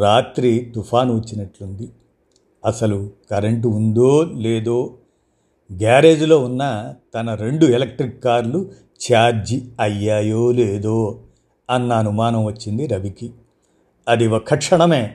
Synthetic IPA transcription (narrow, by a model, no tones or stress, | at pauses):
ɾaːt̪ɾit̪upʰaːnʋɐt͡ʃːinɐʈlund̪i | ɐsɐlukɐɾeɳʈ̬und̪oːle̞ːd̪oː | ɡaːɾe̞ːd͡ʒlo̞ːunːɐt̪ɐnɐɾe̞ɳɖuelek̚ʈɾikːaːɾlu | t͡ʃaːd͡ʒiɐjːaːjoːleːd̪oː | ɐnːɐːnumaːnɐmʋɐt͡ʃːind̪iɾɐbiki | ɐd̪iʋɐkʰːɐkʂɐɳɐme̞ː